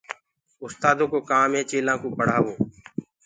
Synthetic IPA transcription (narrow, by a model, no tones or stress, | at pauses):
ʊst̪aːd̪õːkoːkãːmẽːt͡ʃeːlãːkoːpəɽ̤aːoː